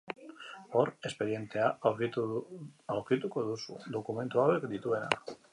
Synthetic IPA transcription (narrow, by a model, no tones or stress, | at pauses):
o̞ɾe̞spe̞ðje̞nt̪e̞a | awɾkit̪uko̞ðusṵd̪o̞kume̞nt̪uawe̞kd̪it̪ue̞na̰